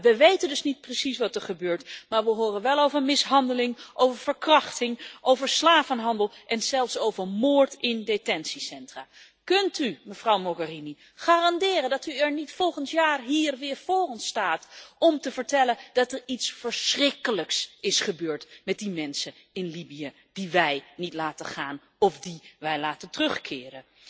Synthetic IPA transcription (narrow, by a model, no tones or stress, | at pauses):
ʋəʋejtəndɵsnit̚prəsisʋɑtɛɹχəbøːɹtmaːɹʋəɦoːrənʋɛlˠowvəɹmɪsɦɑndəlɪŋʔowvəɹv̥əɹkrɑχtɪŋʔowvəɹslaːvənɦɑndəlˠʔɛnzɛlˠfsowvəɹmoːɹtɪndetɛnsisɛntraː | kɵntyməv̥rʌwmɔɡərini | χaːrɑndɪːrəndɑtyɛɹnitfɔlˠχəntjaːrɦiːɹʋɪːɹv̥oːrɔnstaːtɔmtəvəɹtɛlənd̥ɑtɛɹitsfəɹsrɪkələksɪsχəbøːɹtmɛt̚dimɛnsə | ɪnlibijə | d̥iʋɛjnitlaːtəχaːn | ɔfdiʋɛjlaːtəntərɵχkʰɪːrə